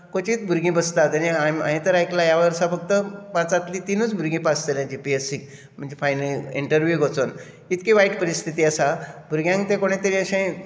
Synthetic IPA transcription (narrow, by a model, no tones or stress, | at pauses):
kõt͡ɕiːt̪bʱuɾɡĩbəst̪at̪añiama̰ɦĩt̪əɾajklajaʋəɾsafəɡ̚t̪əpãt͡sat̪lit̪inut͡sbʱuɾɡĩːpast͡səlãd͡ʑipiesik̚ | m̤əɳd͡zefajnəliɳʈəɾʋjuɡʱot͡son | it̪kiʋajʈpəɾist̪ʰit̪iːəsabʱuɾɡjãŋkt̪ẽkoɽ̃ẽt̪eɾĩəɕẽ